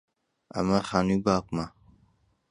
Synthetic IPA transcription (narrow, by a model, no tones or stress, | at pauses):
ɐ̰mɐxaːnubaːkma